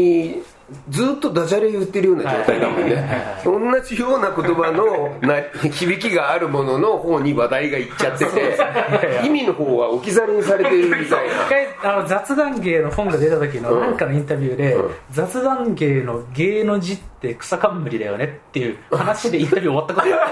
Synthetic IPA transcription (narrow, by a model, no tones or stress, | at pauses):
i | d͡zɨːt̪ːo̞d̪aʑaɾejɯ̟t̪ːe̞ɾɯ̟jo̞ːnaad͡ʒoːt̪aid̪amõ̰nːeaõ̞nːaʑijoːnako̞t̪o̞banonakʲibʲikʲiɡaːɾɯ̟mo̞no̞no̞ho̞ːɲ̟iβad̪aiɡaitt͡ɕat̪ːet̪e̞aimʲino̞ho̞ːβaokʲizaɾeɲ̟isaɾe̞t̪eɾɾɯ̟mʲit̪aina̰kːaiano̞d͡zat͡sɨd̪ãŋɡe̞ːno̞ɸõ̞ŋɡad̪e̞t̪at̪o̞k̬ʲinonãŋkano̞ĩnt̪abʲɯːd̪ẽ̞̰d͡zat͡sɨd̪ãŋɡe̞ːnoɡe̞ːno̞d͡ʑit̪ːe̞kɯ̟̥sakabɯmɯ̟ɾʲid̪ajo̞̰ne̞t̪ːe̞jɯ̟hanaɕid̪eint̪abʲjɯoat̪ːakoto